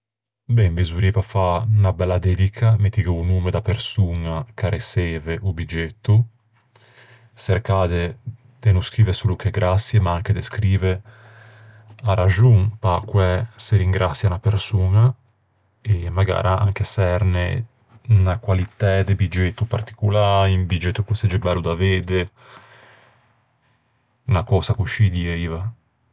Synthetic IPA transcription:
bɛmbezuɾiːvafanabɛlːad̪ɛd̪ikʰamet̪ːiɡeunuːmed̪apeɾsuːnakaɾesɛːveʔubid͡ʒet̪ːu | seɾkaːd̪e | d̪̥enuskɾiːvesuːlukeɡɾasːjemaaŋked̪eskɾiːve | aɾad͡ʒuŋpakwɛseɾiŋɡɾʔat̪sːjanapeɾsuːna | emaɡa̰ːɾʔaa̰ŋk̟esɛɾnḛ | nakwalit̪ɛd̪ebid͡ʒet̪ːupa̰rt̪i̥kulaːɾimbid͡ʒet̪ːukused͡ʒɛbɛlːud̪aveːd̪e | nakɔːsakuʃid̪iɛiːva

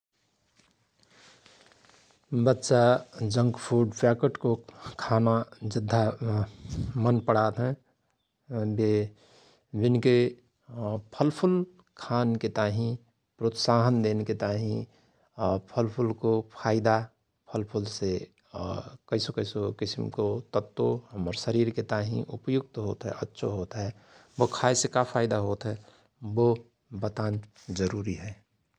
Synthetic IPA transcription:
bətːʃad͡ʒə̃ŋɡpʰuɖpakəʈkokʰanad͡ʒɪd̪ʱːa | mənpəɽ̤at̪ɦɛ̃ | be | bɪnke | pʰəlpʰʊl | kʰaːnket̪aɦĩ | pɾot̪saɦənd̪enket̪aɦĩ | pʰəlpʰʊlkopʰaːɪd̪a | pʰəlpʰʊlse | kəɪsokəɪsokɪsɪ̰mkot̪ət̪ːoɦəməɾsəɾiːɾket̪aːɦḭ̃ʔʊ̰pjʊɡ̚t̪ɦoːt̪ɦɛ̰ʔətːʃʰoɦoːt̪ɦɛ | bokʰaːesekapʰaːɪd̪aɦoːt̪ɦɛ | bo | bət̪aːn | d͡ʒəɾuːɾiɦɛː

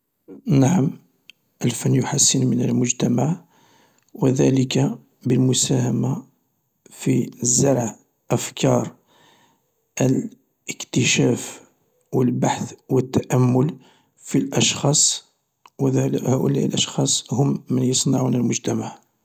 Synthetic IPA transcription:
naʕam | ʔəlfænjʊħasːənmənəlmʊʒt̪æmaʕ | wəðæləka | bəlmʊsæhæma | fizːɑɾˤʕ | ʔəfkɑɾˤ | əl | əkt̪əʃæf | wəlbaħθwət̪ːæʔæmːʊl | filʔɑʃxɑsˤ | whæʔʊ̰læ̰ʔə̰lʔɑʃxɑsˤhʊmːənjəsˤnɑʕunəlmʊʒt̪æmaʕ

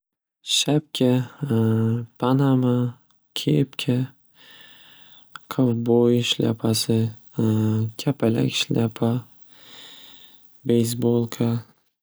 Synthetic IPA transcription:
ʃap̚kʲʰa | pʰanama | kʲʰepkʲʰa | qʰɨfbojʃlʲa̰pʰasɪ | kʲʰapʰala̰kʲʃlʲʔapʰa | bejs̬bolˠkʰa

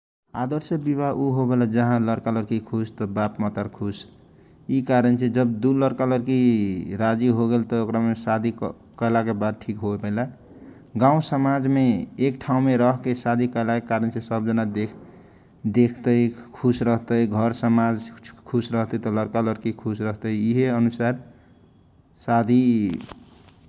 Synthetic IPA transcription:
ad̪əɾsəbiβaʔuɦobelad͡ʒʌɦãlʌɾkalʌɾkikʰust̪ʌbapmat̪əɾkʰus | ikaɾənt͡ʃʰed͡ʒʌbd̪ulʌɾkalʌɾkiɾad͡ʒiɦoɡelt̪ʌokɾamesad̪ʱi | kʌjlakebad̪̚ʈʰikɦobəla | ɡãũsəmad͡ʒmeːkʈʰaũmeɾʌɦkesad̪ʱikəelakekaɾənt͡ʃʰesəb̚d͡ʒənad̪e | d̪ekʰt̪əikʰusɾʌɦt̪əjɡʱʌɾsəmad͡ʒkʰusɾʌɦt̪ət̪ʌləɾkaləɾkikʰusɾʌɦt̪əiiɦeənusaɾ | sad̪ʱi

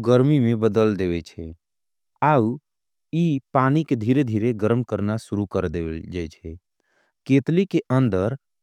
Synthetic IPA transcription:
ɡəɾmimẽbəd̪əld̪eʋɛt͡ʃʰɛ | au | ipaːniked̪ʱiɾed̪ʱiːɾeɡəɾmkəɾnasuɾukəɾd̪ed͡ʒat͡ʃʰɛ | ket̪likeʔənd̪əɾ

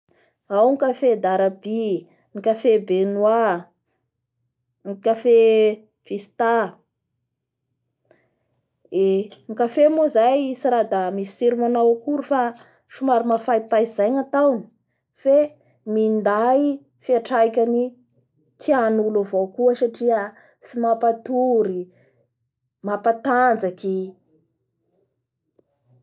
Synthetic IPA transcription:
awnikafed̪aɾabi | nikafebenua | ŋikafe | v̥isi̥t̪a | eŋikafemuzajisiɾad̪amisi̥siɾimanawkuɾufa | ʃumaɾimafajpaizajɲat̪awni̥ | fe | mind̪aj | fiaʈ͡ʂajkʲani | t͡s̪ianulavowkuəsaʈ͡ʂiə | simapat̪uɾi | mapat̪and͡zaki

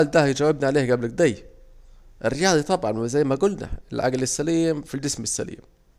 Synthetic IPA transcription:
ld̪æhjd͡ʒæwːɪbniʕaleːhɡæblæk̚d̪æj | ʔɪrːɪjɑːd̪ˤit̪ˤɑbʕɑnwɪzæjːmæɡʊlnæ̰ɪlʕa̰ɡlɪsːæliːmfild͡ʒɪsmɪsːæ̰lḭːm

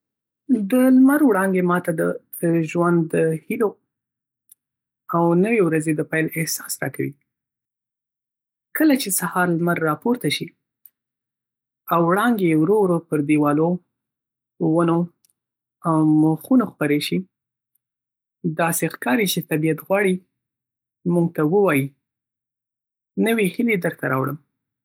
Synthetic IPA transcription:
d̪əlmaɾwɽɑŋɡemɑt̪ad̪ət̪əʒwand̪ːəhilo | awnəwewɾazed̪əpajlɪhsɑ̥sɾɑ̰kawḭ | kəlat͡ʃesahɑɾlmaɾːɑpoɾt̪aʃi | awɽɑŋɡewɾoɾopəɾd̪ewɑlo | wəno | awmoxunoxpəɾeʃi | d̪ɑsexkɑɾit͡ʃet̪abijat̪ɣwɑɽi | muɡ̚t̪awəwɑji | nəwehɪled̪əɾt̪aɾɑ̰wɽəm

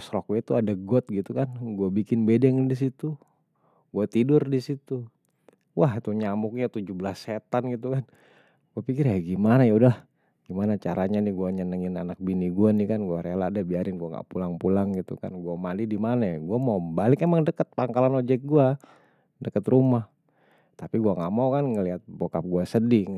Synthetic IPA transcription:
sɾokuit̪uadaɡɔt̪̚ɡit̪ukanɡuabikɪnbedɛŋdis̬it̪u | ɡuat̪idʊrdisit̪u | waht̪uɲamʊk̚ɲat̪ud͡ʒubəlaset̪anɡit̪̬ukan | ɡ̥uapikɪrjaɡimanajaudah | ɡ̥imanat͡ʃaɾaɲaniɡuaɲənəŋɪnanak̚biniɡuanikanɡuaɾeladabiaɾɪnɡuaŋɡa̰ʔpulaŋpulaŋɡit̪ṵka̰nɡuamandidimanaɡuamaubalɪkemaŋdəkət̪̚paŋkalanod͡ʒɛk̚ɡua | dəkət̪rumah | t̪apiɡuaŋaʔmaukanŋəliɦat̪̚bokap̚ɡuasədi

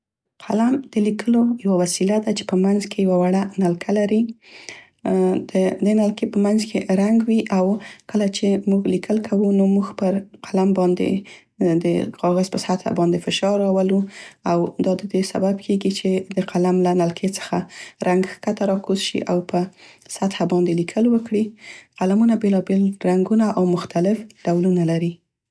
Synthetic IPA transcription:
qʰalamd̪̥əlikʰəlojawawasilad̪at͡ʃe̥pəmanzkʰejawawaɽanalkʰalaɾi | d̪əd̪enalkepəmanzkʰeɾaŋɡwiʔawkəlat͡ʃemuɡlikʰəlkʰawunomuxpəɾqʰalambɑnd̪ḛ | d̪əqɑɣazpəsat̪ʰa̰bɑnd̪efɪʃɑɾɑwaluawd̪ɑd̪əd̪esa̰bab̚kʰeɡit͡ʃed̪əqʰalamlanalkʰet͡sə̥xaɾʔaŋɡkat̪aɾɑkuzʃḭʔawpʰəsat̪habɑnd̪elikʰəlwəkɽiqalamunabelɑbelɾaŋɡunaʔawmʊxt̪alɪfɖ̥awlunalaɾi

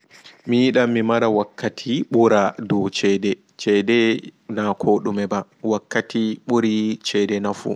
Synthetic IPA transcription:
mijiɗamːimaɾawakːatʰiɓuɾadɔwt͡ʃɛdɛ | t͡ʃɛdɛnakʰoɗumɛba | wakːatʰiɓuɾit͡ʃɛdɛnafṵ

